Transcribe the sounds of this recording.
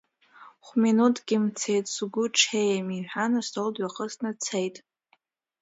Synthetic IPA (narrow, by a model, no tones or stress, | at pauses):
χʷminutʰɡ̥ʲɪmt͡sʰejtʼsɡʷʊʈ͡ʂʰejamiħʷᶣanɨstʰoldʷaχəsnɨt͡sʰejtʼ